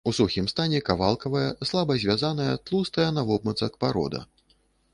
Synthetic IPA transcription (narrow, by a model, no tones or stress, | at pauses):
usuxʲimst̪anʲɛkavalˠkɐvɐjɐslˠabɐzʲvʲazanɐjɐt̪lˠust̪ɐjɐnavɔb̚mɐt̪sɐkpaɾɔ̰d̪ɐ̰